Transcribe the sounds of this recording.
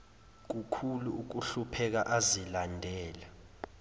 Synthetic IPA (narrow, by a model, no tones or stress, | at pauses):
k̬ukʰuluuk̬uɬupʰɛk̬aʔazilandʱɛːla